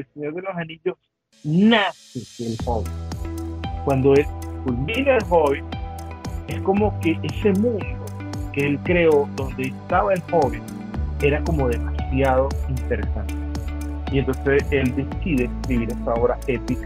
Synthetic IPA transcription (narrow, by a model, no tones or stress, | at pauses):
elseɲo̞ɾðe̞lo̞sanĩʎo̞s | naseelhoβen | kwand̪o̞e̞lkulmĩnaelɦo̞βen | e̞sko̞mo̞ke̞ʔese̞mũnd̪o̞ | keelkɾeod̪o̞nd̪e̞ːst̪aβae̞lho̞βen | e̞ɾako̞mo̞ðe̞masjaðo̞int̪eɾesant̪eient̪o̞nse̞se̞ld̪e̞siðe̞ːskɾiβiɾest̪ao̞βɾa̰e̞p̪ika